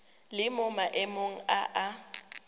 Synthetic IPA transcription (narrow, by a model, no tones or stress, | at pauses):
lɪmʊmaʔɪmoŋ̩aʔa